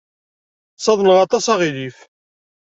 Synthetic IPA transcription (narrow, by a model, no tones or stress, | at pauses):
sˤɑðˤnəʁɑt̪ˤɑsɑʁilif